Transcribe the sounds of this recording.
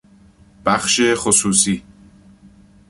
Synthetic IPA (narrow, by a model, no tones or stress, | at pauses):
b̥æxʃexosuːsiː